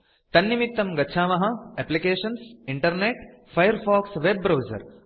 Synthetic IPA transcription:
t̪ɐnːimit̪ːɐmɡɐtːʃʰaːmɐɦɐɛplikeːʂɐnsiɳʈɐɾneːʈ | fʰɐjɐɾfaːksʋebːɾɐwzɐ̰ɾ

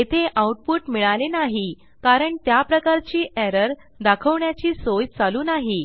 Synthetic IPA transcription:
et̪ʰeʔauʈpuːʈmiɭalenaɦi | kaɾəɳt̪japɾəkaɾt͡ɕiːʔɛɾəɾ | d̪akʰəʋɳjat͡ɕiːsojt͡saluːnaɦi

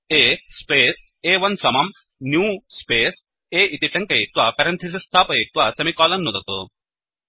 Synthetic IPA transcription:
eːspeːs | eːʋɐnsɐmɐm | njuːspeːs | eːʔit̪iʈɐŋkɐjit̪ʋɐpɐɾɐnt̪ʰis̬ist̪ʰaːpɐjit̪ʋɐsɐmikɔːlɐnːud̪ɐt̪ṵ

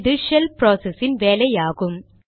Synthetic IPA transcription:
ðɯʂɛlpɾoːsɛsɪnʋeːlɐjaːɣɯm

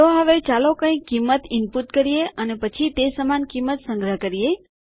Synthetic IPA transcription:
t̪oɦəʋet͡ʃalokə̃j̃kːimːət̪ɪmput̪kəɾijeənepət͡ʃʰit̪esəmankimːət̪sə̃ŋɡɾəkəɾije

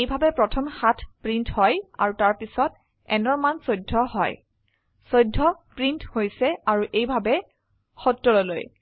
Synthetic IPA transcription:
ejbʱabɛpɹɔtʰɔmxatʰpɹinthɔja̰ɹutaɹpisɔt | ɛ̰nɔɹmansojdʱːɔɦɔ̰j | sojdʱːɔpɹinthojsɛaɹuʔejbʱabɛ | xɔtɹɔɹɔlo̰j

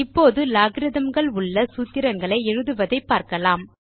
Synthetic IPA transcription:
ɪpːoːðɯlaːɣɪɾɪðɐmɡɐɭʊɭːɐsuːt̪ːɪɾɐŋɡɐɭɐɪɛɻɯðɯʋɐðɐɪpːaːɾkɐlaːm

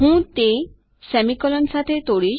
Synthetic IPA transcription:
ɦũːt̪e | sɛmikɔlɔnsat̪ʰet̪oɽiː

